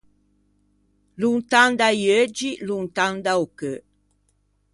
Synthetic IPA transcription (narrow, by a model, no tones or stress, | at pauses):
lunt̪and̪ajød͡ʒilunt̪and̪aukø